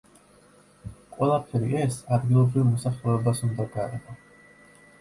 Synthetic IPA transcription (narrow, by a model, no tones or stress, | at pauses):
qʼwɛlˠapʰɛɾiʔɛsad̪ɡilˠɔbɾivmɔsaχlɛɛbasund̪aɡaɾɛ̰bɔ